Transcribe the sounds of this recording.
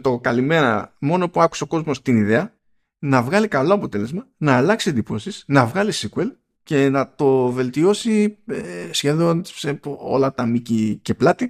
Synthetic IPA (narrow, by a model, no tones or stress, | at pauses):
t̪o̞kɐlime̞ɾɐ̰mo̞nopuɐku̥se̞o̞ko̞zmo̞st̪iniðe̞ɐ | nɐvɣɐlikɐlo̞ɐpo̞t̪e̞le̞zmɐnɐːlɐksie̞nd̪ipo̞sisnɐvɣɐlisikue̞l | ce̞nɐt̪o̞ve̞lt̪io̞siesçe̞ðonseo̰lɐt̪ɐmicice̞plɐt̪i